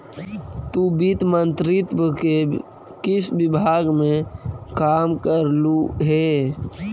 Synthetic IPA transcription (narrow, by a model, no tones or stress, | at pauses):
t̪ubit̪mənt̪ɾɪt̪wəke | kɪsbɪbʱaːɡmẽkaːmkəɾluɦɛː